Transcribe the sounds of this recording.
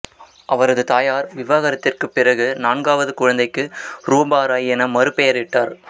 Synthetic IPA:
ʔɐʋɐɾɐðɯt̪aːjaːɾʋɪʋaːɣɐɾɐt̪ːɪrkɯpːɪrɐɣɯnaːnɡaːʋɐðɯkʊɻɐnd̪ɐɪkːɯɾuːbaːɾaːjɛnɐmɐɾɯpːɛjɐɾɪʈːaːɾ

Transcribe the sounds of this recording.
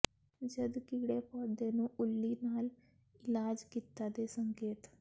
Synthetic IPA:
d͡ʒəd̪kiːɽeːpɔːd̪eːnũːʔʊlːiːnaːl | ɪlaːd͡ʒkiːt̪ːaːd̪eːsəŋkeːt̪

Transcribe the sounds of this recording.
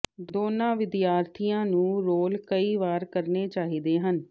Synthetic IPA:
d̪oːnãːʋɪd̪jaːɾt̪ʰiːjãːnũːɾoːlkəiːʋaːɾkəɾneːt͡ʃaːɦiːd̪eːɦən

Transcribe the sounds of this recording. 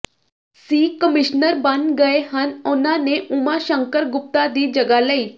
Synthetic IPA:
siːkəmɪʃnəɾbənɡəeɦənʊnãneʔʊmaʃə̃ŋkəɾɡʊp̚t̪ad̪iːd͡ʒəɡaləiː

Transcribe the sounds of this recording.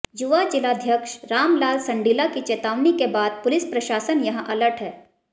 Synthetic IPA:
juʋad͡ʒɪlaːd̪ʱjəkʃɾaːmlaːlsɐ̃ɳɖiːlakit͡ʃeːt̪aːʋnikebaːd̪̚pʊlɪspɾɐʃaːsənjɐɦãʔɐləɾʈɦɛː

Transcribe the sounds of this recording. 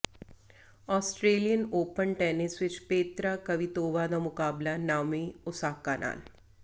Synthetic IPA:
ɔːsʈɾeːlijənoːpənʈɛːnɪsʋɪt͡ʃpeːt̪ɾakɐʋit̪oːʋaːd̪amʊkaːblanaːmiʊsaːkːaːnʔa̰ːl

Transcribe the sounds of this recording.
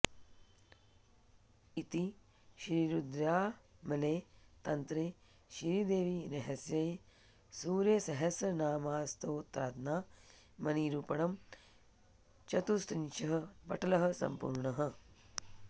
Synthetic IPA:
it̪i | ʃɾiɾud̪ɾjaːmɐleːt̪ɐnt̪ɾeː | ʃiɾid̪eːʋiɾɐɦɐsjɐj | suːɾjɐsɐɦɐsɐnaːmaːst̪oːt̪ɾaːt̪naː | mɐniːɾupɐɳɐm | t͡ʃɐt̪ust̪ɾint͡ʃɐɦɐ̆pɐ̰ʈʰɐlɐɦɐ̆sɐ̰mpṵːɾɳɐɦɐ̆

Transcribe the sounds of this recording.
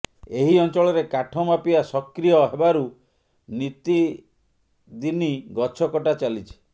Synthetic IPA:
eɦiɔnt͡ʃɔɭɔɾekaʈʰɔmapiasɔkɾijɔɦebaɾu | nit̪i | d̪iniɡɔt͡ʃʰɔkɔʈat͡ʃalit͡ʃʰi̥

